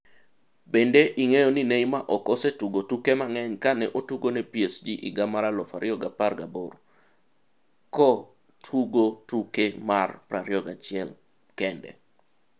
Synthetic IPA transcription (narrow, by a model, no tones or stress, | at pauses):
bendeʔiŋejɔninejmaʔɔkɔsetuɡotukemaŋɛɲkanɛʔotuɡonɛpjesd͡ʒiʔiɡamaɾalɔfaɾɪɔɡaparɡabor | kɔ | tʰuɡotukemarpɾaɾjɔɡa̰t͡ʃɪɛl | kɛndɛ̰